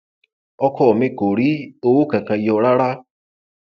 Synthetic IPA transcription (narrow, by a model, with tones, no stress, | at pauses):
ɔ˦kʰɔ˦˨me˦ko˨ɾi˦o˧wo˦ka˨ka˧˨i˨ɔ˧ɾa˦ɾa˦